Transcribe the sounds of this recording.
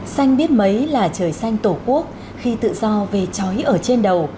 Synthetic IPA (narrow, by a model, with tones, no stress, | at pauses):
sa˧jŋ̟ɓi˦˥ət̚mə˨˦jlaː˨˩t͡ɕəː˨˩jsa˧jŋ̟t̪o˧˩ku˦˥ək̚ | xi˧t̪ɨ̰˧˨zɔ˧ve˨˩t͡ɕɔ˨˦jʔəː˧˩t͡ɕe˧nɗə˨˩w